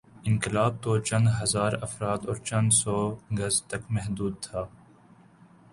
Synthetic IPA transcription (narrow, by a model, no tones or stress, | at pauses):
ɪ̃nkɪlaːb̚t̪oːt͡ʃɐ̃nd̪ɦɐzaːɾɐfɾaːd̪ɔːɾt͡ʃɐ̃nd̪sɔːɡɐzt̪ɐkmɛɦd̪uːd̪̚t̪ʰaː